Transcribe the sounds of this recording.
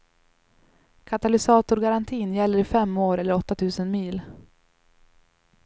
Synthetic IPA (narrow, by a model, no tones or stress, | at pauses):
kʰat̪alɪsɑːt̪ʊɾɡaɾant̪ʰiːnjɛlːəɾɪfɛmːoːɾɛlːəɾɔt̪ːat̪ʰʉ̟ːsənmiːl